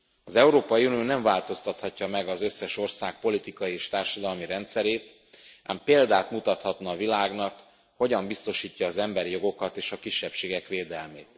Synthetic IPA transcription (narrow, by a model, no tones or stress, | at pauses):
ɒzɛuɾoːpɒjiunijoːnɛɱvaːlt̪o̞st̪ɒt̪hɒcːɒmɛɡɒzø̞sːɛʃo̞rsaːk̚po̞lit̪ikɒjieːʃt̪aːrʃɒd̪ɒlmiɾɛnt̪sɛɾeːt̪ | a̰ːmpeːld̪aːt̪mut̪ɒt̪hɒt̪nɒːvilaːɡnɒk | ho̞ɟɒmbist̪o̞ʃiːcːɒːzɛmbɛɾijo̞ɡo̞kɒt̪eːʃɒkiʃːɛpʃeːɡɛkʋeːd̪ɛlmeːt̪